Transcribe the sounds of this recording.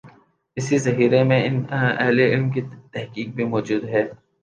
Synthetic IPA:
ɪsizɐɦiːɾemẽɪnɐ̰ɦleɪlmkit̪ɛɦkiːk̚bʱimɔːd͡ʒuːd̪ɦɛː

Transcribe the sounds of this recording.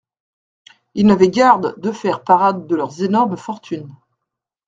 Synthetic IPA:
ilnavɛɡʲaʁd̪d̪əfɛʁpaʁad̪ːəlœʁzenɔʁmfɔʁt̪ʰyn

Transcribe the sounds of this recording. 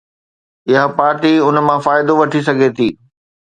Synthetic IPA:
ɪɦapaːɾʈiʊnmãfaːɪd̪oʋɐʈʰis̬ɐɡʱet̪ʰiː

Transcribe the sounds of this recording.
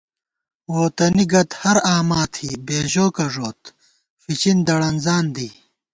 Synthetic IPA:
woːt̪ɐniɡɐt̪hɐɾaːmaːt̪ʰhiːbeːʑoːkɐʐoːt̪ | fit͡ɕind̪ɐɽɐnzaːnd̪iː

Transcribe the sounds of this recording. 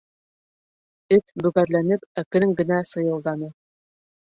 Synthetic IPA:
ɘt̪bʉ̆ɣæɾlænɘpækɘ̆ɘŋɡɘ̆næsɤ̆jɤ̆lˠd̪ɑnɤ

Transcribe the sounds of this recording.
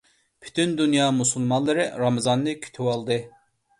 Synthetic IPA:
pʰy̥t̪ʰynd̪ynjɑːmusulˠmɑnlˠɨɾɨɾɑmɨzɑnːɨkʲʰy̥t̪ʰywɑlˠd̪ɨ

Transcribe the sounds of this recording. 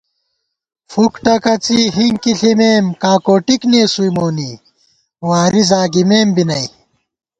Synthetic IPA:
fukʈɐkɐt͡siɦiŋɡkiɬimeːmkaːkoːʈikneːsujmoːni | waːɾizaːɡimeːmbinɐj

